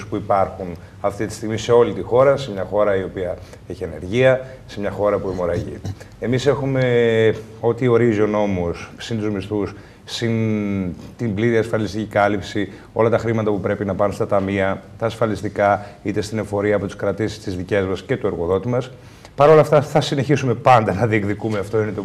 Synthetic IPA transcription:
spuipɐɾxun | ɐft̪it̪i̥st̪iɣmise̞o̞lit̪ixo̞ɾɐse̞mɲɐxo̞ɾɐio̞piɐ | eçiene̞ɾʝiɐ | se̞mɲɐxo̞ɾɐpumo̞ɾɐʝḭ | e̞mise̞xume̞ | o̞t̪io̞ɾizo̞no̞mussint̪uzmist̪us | sin | t̪imbliɾiɐsfɐlist̪icikɐlipsi | o̞lɐt̪ɐxɾimɐt̪ɐpupɾe̞pinɐpɐnunst̪ɐt̪ɐmiɐt̪ɐːsfɐlist̪ikɐit̪e̞st̪ine̞fo̞ɾiɐːpot̪i̥skɾɐt̪isi̥st̪izðice̞zmɐsce̞t̪ue̞ɾɣo̞ðo̞t̪imɐs | pɐɾo̞lɐft̪ɐθɐsine̞çisume̞pɐnd̪ɐnɐðiekðikumeɐft̪o̞inet̪o

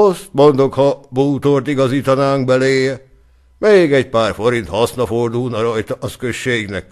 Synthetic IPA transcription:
ost̪mo̞nd̪o̞khɒbuːt̪ort̪iɡɒziːt̪ɒnaːŋkbɛleːjɛ | meːɡɛc̚paːrfo̞ɾint̪hɒsnɒfo̞rd̪ulnɒɾɒjt̪ɒʔɒskøʃːeːɡnɛ̰k̚

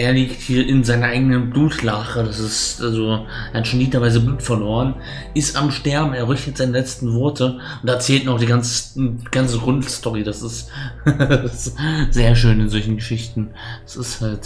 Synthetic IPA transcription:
ʔeːɐliːkthiːɐʔɪnzaɪnɐʔaɪɡənənbluːtlaχədasɪstʔalzo | ʔaɪnʃoniːtɐvaɪzəbluːtfɛɐloːʁ̞ən | ʔɪstamʃtɛɐbm̩eːɐʁʏçtətz̥aɪnəlɛt͡stn̩vɔɐtʰə | ʊntɛɐt͡sɛːltnɔχd̥iːɡant͡səɡant͡səɡʁʊntstɔʁidasɪst | sz̥eːɐʃøːnɪnzɔlçn̩ɡəʃɪçtn̩ | d̥asɪsthalt

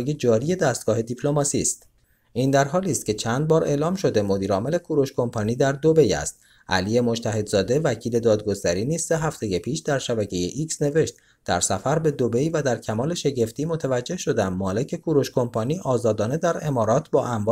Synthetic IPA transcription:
je̞d͡ʒɒːɾije̞d̪æst̪̚ɡɒːɦe̞d̪ipʰlo̞mɒːsiːst̪ | ʔiːnd̪æɾɦɒːliːst̪̚cʲʰe̞t͡ʃʰænd̪̚bɒːɾe̞ʔlɒːmʃo̞d̪e̞mo̞d̪iːɾɒːmele̞kʰuːɾoʃkʰo̞mpʰɒniːd̪æɾd̪o̞be̞jæ̰st̪̚ | ʔæ̰liːje̞mo̞d͡ʒt̪ʰæɦe̞d̪zɒːd̪e̞væcʰiːle̞d̪ɒːd̪ɡo̞st̪æɾiːniːz̥ːeɦæft̪e̞je̞pʰiːʃd̪æɾʃæbæcʰe̞jeʔiksne̞ve̞ʃt̪ | d̪̥æɾsæfæɾbe̞d̪o̞be̞jvæd̪æɾcʰæmɒːle̞ʃe̞ɟe̞ft̪iːmo̞t̪ʰævæd͡ʒːe̞hʃo̞d̪æmːɒːle̞cʰe̞kʰuːɾo̞ʃkʰo̞mpʰɒniːʔɒːzɒːd̪ɒːne̞d̪æɾe̞mɒːɾɒːt̪ʰbɒːʔæmvɒ

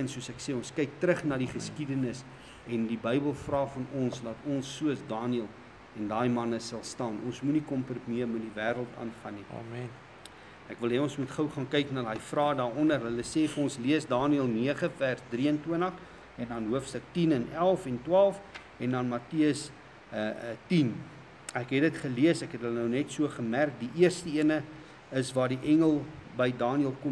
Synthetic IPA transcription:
ənsuəsækseːɔ̃nskɛjk̚tɾəχnɑːdiχəskidənəs | ɛndibəjbəlˠfrɑːfɐnɔnsdɐtɔnsːuəsdɑːniəlˠ | ɛndɑːjmɐnəsɐlˠstɑːnʔɔ̰nsmunikɔmprutmiəmutdivæːɾəlˠtɑ̰ːnfɐni | ʔækvəlˠɦɛɔ̃nsmutχəwχɑːnkɛjknɑlɦɐjfrɑːdɑːɾɔndərɦələseːfəɔ̃nsliəsdɑːniəlˠniəχəfærsdriəntwuənɐχ | ɛndɐnɦuəfstəktinɛnælˠfɛntwɑːlˠf | ɛndɐnmɐtiəs | tin | ækɦɛtdətχəliəsækɦɛtɦələnəwnɛtsuəχəmærk̚diʔiərstəiənə | əsvɑːdiʔɛŋəlˠbəjdɑːniəlˠkɔ

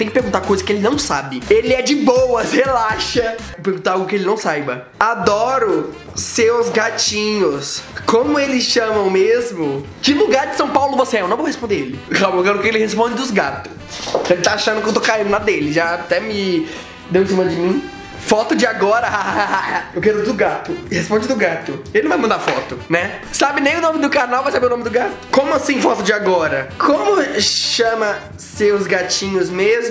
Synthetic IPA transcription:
t̪ẽj̃kɪpeɾɡũt̪aɾkojzɐkɪelɪnɐ̃w̃sabɪelɪɛd͡ʒɪbowɐshelaʃɐ | peɾɡũt̪aawɡʊkɪelɪnɐ̃w̃sajbɐ | ad̪ɔɾʊ | seɾwʊzɡat͡ʃĩɲʊskõmʊelɪsʃɐ̃mɐ̃w̃mezmʊ | kɪluɡaɾd͡ʒɪsɐ̃w̃pawlʊvoseɛewnɐ̃vohespõnd̪eelɪhãbewkɛɾʊkɛkelɪhespõd͡ʒɪd̪ʊzɡat̪ʊ̥skelɪt̪aaʃɐ̃nd̪ʊkewt̪okaĩnd̪ʊnad̪ɐd̪elɪʒat̪ɛmɪ | d̪ewẽs̬imɐd͡ʒɪmĩ | fɔt̪ʊd͡ʒɪaɡɔɾɐhahahahaaewkɛɾʊd̪ʊɡat̪ʊɪhespõd͡ʒɪd̪ʊɡat̪ʊelɪñvajmɐ̃nd̪aɾfɔ̰t̪ʊnɛ | sabɪnẽj̃ʊnõmɪd̪ʊkaɾnawvajsabeʊnõmɪd̪ʊɡat̪ʊ̥kõmʊasĩfɔt̪ʊd͡ʒɪaɡɔɾɐkʰõmʊʃɐ̃mɐ | seʊzɡat͡ʃĩɲʊzmezmʊ

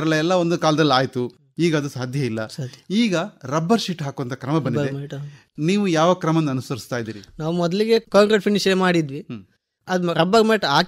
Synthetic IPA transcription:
ɾɐleɛlːɐond̪ukaːlɐd̪ɐlːaːjt̪u | iːɡɐːd̪usaːd̪ʱjɐilːɐsad̪iːɡɐɾɐbːɐɾʃiːʈɦaːkuʋɐnt̪ʰɐkɾɐmɐbɐnd̪iɐd̪eʈ | niːʋujaːʋɐkɾɐmɐnːɐnusɐɾist̪aːjd̪iːɾinaːʋumɔd̪ɐliɡe̞kaːŋɡɾeʈ̚pʰinːiʃmaːɽid̪ʋi | ɐd̪ɾɐbːɐɡmeːʈaː

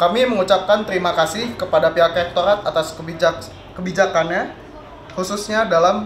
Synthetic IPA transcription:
kamiməŋut͡ʃap̚kant̪əɾimakasɪhkəpadapiakɛk̚t̪oɾat̪at̪as | kəbid͡ʒakanɲa | hususɲadalam

